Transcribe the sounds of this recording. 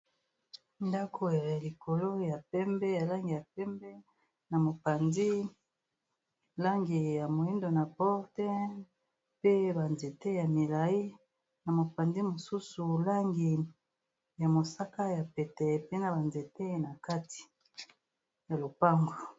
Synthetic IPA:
nda˦kʰo˨ja˨li˨kʰo˨lo˦ja˨pɛ˦mbɛ˦ja˨la˦ŋɡi˨ja˨pɛ˦mbɛ˦ | na˨mo˨pa˨ndi˦ | la˦ŋɡi˨ja˨mo˨i˦ndo˨na˨pɔ˦ʁtɛ˦ | pe˦ba˨nze˨te˦ja˨mi˨la˨i˦ | na˨mo˨pa˨ndi˦mo˨su˦su˨la˦ŋɡi˨ | ja˨mo˨sa˦ka˦ja˨pɛ˨tɛ˨pe˦na˨ba˨nze˨te˦na˨ka˦ti̥˨ | ja˨lo˨pa˦ŋɡo˨

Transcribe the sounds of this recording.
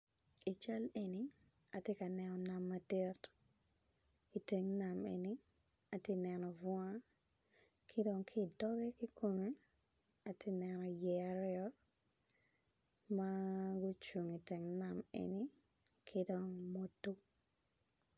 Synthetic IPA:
i˨t͡ʃa˦le˨ni˦ | a˨te˦ka˨nɛ˨nɔ˨na˨mːa˨de˦t | i˨te˨ŋna˨mḛ˨ni˦ | a˨te˦nɛ˨nɔ˨vwa˦ | kʰi˦do˨ŋkʰi˦˨dɔ˦ɡɛ˦ki˦kʰo˨me˦ | a˨te˦nɛ˨nɔ˨jɛ˨a˨ɾɪɔ˦ | ma˦ɡʊ˦t͡ʃu˨ŋi˨te˨ŋna˨mḛ˨ni˦ | kʰi˦do˨ŋmo˦tːu˦

